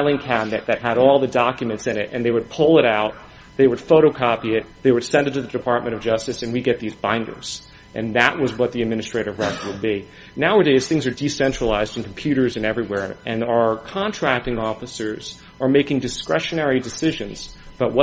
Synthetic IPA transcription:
lˠɪ̃ŋkʰænɨt̪̚ðɨt̚ɦɨɾɔlˠðɨdɑkjɨmɨ̃ntsɨ̃nɪɾʔɨ̰̃nðeɪwɨd̚pʰʊlˠəɾaʊt̪̚ | ðeɪwəd̥foʊɾoʊkʰɑpiɪt̪̚ðeɪwɨd̥sɛ̃ndɨtʰɨðɨdɨpʰɑɹt̚mɨ̃ɾ̃ʌvd͡ʒʌstɨsɨ̃nwiɡɛt̪̚ðizbãɪ̃ndə̰˞z̥ | ʔɨ̰̃nðɨʔ̚wʔʌzwʌt̪̚ðiɨd̚mɪ̃ñɨstɹ̥eɪɾɨvɹɛkwəd̚bi | naʊəɾeɪz̥θɪ̃ŋzə˞disɛ̃nt͡ʃɹ̥əlaɪzd̃n̩kʰm̩pʰj̥ʉɾə˞zɨ̃nɛvɹiwɛɹʔɨ̃nəə˞kʰɑ̃ntʰɹ̥æk̚tɪ̃ŋɔfɨsə˞z̥ | ə˞meɪkɪ̃ŋdɨskɹɛʃɨnɛɹidɨsɪʒɨ̃nz̥b̥ʌt̚wʌ

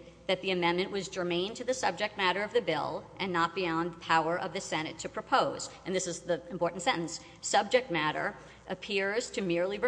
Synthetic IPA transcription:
ðɨt̪̚ðiɨmɛ̃nmɨ̃nʔwʌzd͡ʒə˞mẽɪ̃ntʰɨðɨsʌb̚d͡ʒɨk̚t̚mæɾə˞ʌvðɨbɪ̰lˠʔɨ̃nːət̚b̥iɑ̃nðəpʰaʊə˞ʔʌvðɨsɛñɨtʰɨpʰɹ̥ɨpʰoʊz̥ɨ̃nðɪsɨzðiɨ̃mpʰɔɹʔn̩tsɛ̃ɾ̃n̩s | sʌb̚d͡ʒɨk̚t̚mæɾə̰˞ | ʔɨpʰɪɹz̥tʰɨmɪɹlˠi

